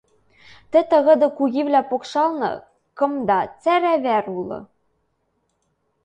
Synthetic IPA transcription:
t̪ɘ̆t̪ɤ̆ɣɤ̆d̪ɤ̆kuɣʲiβlʲæpokʃɑlnɤ̰̆ | kɤ̆md̪ɑt͡sæɾæβæɾulˠɤ̰̆

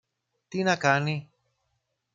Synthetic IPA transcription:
t̪inɐkɐni

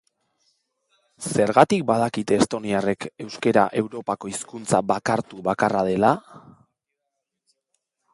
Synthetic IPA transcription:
se̞ɾɣat̪ik̚bað̞akit̪e̞ːst̪o̞niare̞ke̞wske̞ɾaʔe̞wɾo̞pako̞iskunt͡saβakaɾt̪uβakarað̞e̞la

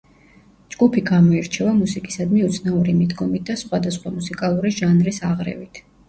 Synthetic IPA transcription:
d͡ʒɡupʰiɡamɔiɾt͡ʃʰɛvamusikʼi̥sad̪miut̪sʰnauɾimid̪ɡɔmit̪̚d̪asχwad̪asχwamusikʼalˠuɾiʒanɾisaʁɾɛ̰vit̪ʰ

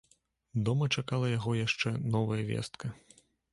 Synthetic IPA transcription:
d̪ɔmɐt͡ʂakalˠɐjaɣɔjaʂt͡ʂɛnɔvɐjɐvʲɛ̰st̪kʰɐ

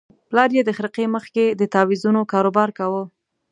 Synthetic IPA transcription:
plɑɾjed̪əxɾiqeməxked̪ət̪ɑwizunokɑɾobɑɾkawə

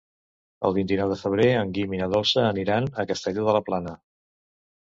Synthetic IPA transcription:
ə̰lˠβint̪inɔwðəfəβ̞ɾeəŋɡiminəðɔlˠsəːniɾanəkəst̪eʎuðələplanə

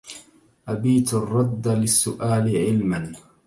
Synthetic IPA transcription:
ʔabiːt̪ɑrˤːɑd̪ːlɪsːʊʔaːlɪʕɪlman

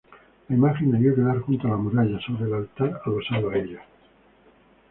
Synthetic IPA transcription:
laimaxenaβjokeðaɾxunt̪oalamuɾaʎasoβɾelalt̪aɾaðosaðoaeʎa

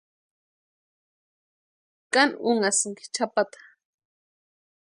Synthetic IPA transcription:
kanʊŋasŋki̥t͡ʃʰapat̪ḁ

